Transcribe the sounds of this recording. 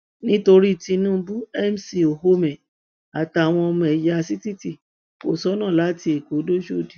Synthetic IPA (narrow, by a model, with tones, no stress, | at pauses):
nĩ˦to˧ɾi˦˨ti˧nũː˦bu˦ɛ˦m̩˨si˨o˨ɦo˦mɛ̃˨ | a˨ta˨w̃ɔ̃˧ɔ˧mɔ̃˧ɛ˨ja˧si˦ti˦˨ti˦˨ | ko˨sɔ˦nã˦˨la˨˦ti˧˦e˨ko˨˦do˦ʃo˦˨di˨˦